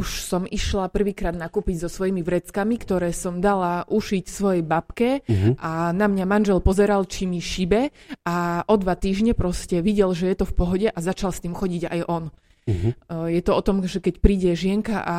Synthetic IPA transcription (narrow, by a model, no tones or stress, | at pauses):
uʃsɔmiʃlapr̩ʋiːkɾaːd̪nakuːpiɟzɔsʋɔjimiʋɾɛt͡skamikt̪ɔɾɛːsɔmd̪alaʔuʃicsʋɔjɛjbapkɛʔanamɲamanʒɛlpɔzɛɾalt͡ʃimiʃibɛaʔɔd̪ʋat̪iːʒɲɛpɾɔscɛʋiɟɛlʒɛjɛt̪ɔfpɔɦɔɟɛʔazat͡ʃalst̪iːmxɔɟiɟa̰jʔɔn | jɛt̪ɔɔt̪ɔmʒɛkɛcpɾiːɟɛʒɪɛŋkaʔa